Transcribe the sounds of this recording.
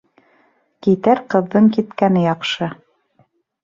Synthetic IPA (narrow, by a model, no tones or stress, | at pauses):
kit̪æɾqɤ̆ðːɤɴkit̪kænɘjɑqʃɤ